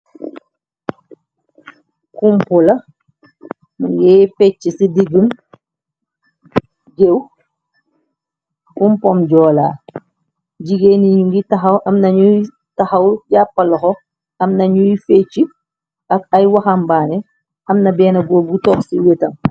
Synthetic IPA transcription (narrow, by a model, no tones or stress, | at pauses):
kumpɔlɐ | muŋɡɛfɛt͡ʃːisidiɡəm | d͡ʒew | kumpɔmɟɔːlaː | ɟiɡeniɲuŋɡitɐxɐwʔɐmnɐɲu | tɐxɐwɟapːɐlɔxɔ | ɐmnɐɲujfɛt͡ʃːi | ɐkɐjwaxambaːnɛ | ʔɐmnɐbɛːnɐɡɔɡutɔksiwetɐm